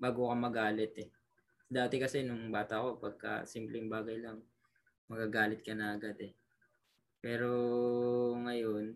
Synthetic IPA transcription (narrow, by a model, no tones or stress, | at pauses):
baːɡokɐmɐɡaːlɛt̪ɛ | d̪aːt̪ɛkɐsɛnʊŋbaːt̪ɐko̞pɐɡ̚kɐ̰simplɪŋbaːɡɐjlɐŋ | mɐɡaɡaːlɪt̪̚kɐnɐɐɡad̪ɛ | pɛːɾo̞ | ŋɐjon